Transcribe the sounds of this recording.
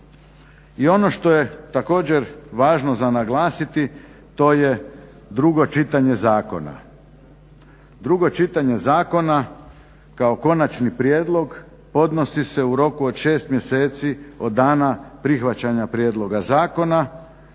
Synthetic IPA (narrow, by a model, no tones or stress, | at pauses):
io̞no̞ʃt̪o̞je̞t̪ako̞ːd͡ʑeɾʋaːʒnozanaɡlˠaːsit̪i | t̪o̞ːje | d̪ɾuɡo̞t͡ʃit̪aɲe̞zaːko̞̰na̰ | d̪ɾuɡo̞t͡ʃit̪aɲe̞zaːko̞na | kaoko̞nat͡ʃnipɾjeːd̪lˠo̞ɡ | po̞d̪no̞sise̞uɾo̞kuo̞d̪ʃe̞ːst̪mje̞se̞ːt̪sio̞d̪ːaːnapɾixʋat͡ɕaɲapɾjed̪lˠo̞ɡazaːko̞na